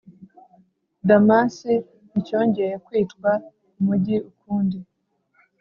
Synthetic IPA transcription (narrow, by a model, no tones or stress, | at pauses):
damasi | nico̞ːɲɟeɾekwiːtkwa | umuɟiukuːndi